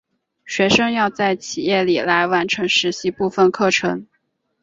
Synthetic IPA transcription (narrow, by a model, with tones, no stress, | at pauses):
ɕɥɛ˧˥ʂɤ˥ŋjɑ˥˧ʊt͡sa˥˩ɪt͡ɕʰi˨˩jɛ˥˩li˨˩la˧˥ɪwa˧˥nʈ͡ʂʰɤ˧˥ŋʂɻ̩˧˥ɕi˥pu˥˧fə˥˧nkʰɤ˥˩ʈ͡ʂʰɤ˧˥ŋ